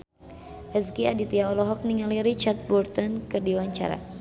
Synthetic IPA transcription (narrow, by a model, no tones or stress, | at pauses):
ʔəzkiadit̪iaɔlɔɦɔk̚niŋaliɾit͡ʃart̪̚bɔrt̪ɔnkɨərdiwaɲt͡ʃa̰ɾa̰